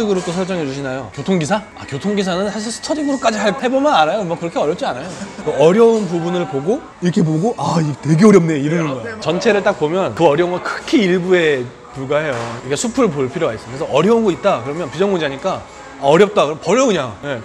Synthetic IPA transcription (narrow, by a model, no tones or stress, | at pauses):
ɯɡɯɾot͈osʰʌɭt͡ɕ͈ʌŋɦe̞d͡ʑuɕʰinajokjotʰoŋɡisʰa | a̰kjotʰoŋɡis̬ʰanɯnsʰaɕʰiɭʰt͡ɕʰʌdɯɡɯɾok͈ad͡ʑiɦaɭpʰebomʌnaɾajomwʌkɯɾʌkʰeʌɾjʌp̚t͡ɕ͈ianajokɯʌɾjʌunp̬ubunɯɭpoɡo | iɾʌkʰe̞p̬oɡoʔaitwe̞ɡeʌɾjʌm̚neiɾɯmuɡʌot͡ɕʌnt͡ɕʰe̞ɾɯɭt͈ak̚pomjʌnkɯʌɾjʌuŋɡakʰɯkʰiiɭbue̞ | puɭɡaɦe̞joiɾʌkʰesʰupʰuɾɯɭpopʰiɾjoɡais͈ɯkʰɾesʰʌʔʌɾjʌunɡʌit̚t͈akɯɾʌmjʌnpid͡ʑʌŋmond͡ʑiaɲik͈aː | ʌɾjʌp̚t͈akɯɾʌmpʌɾjʌɯɲaje̞